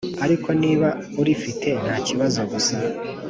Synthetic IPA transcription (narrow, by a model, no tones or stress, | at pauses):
aɾikʰo̞niːβa | uɾifitʰe̞nhaːciβazo̞ɡusa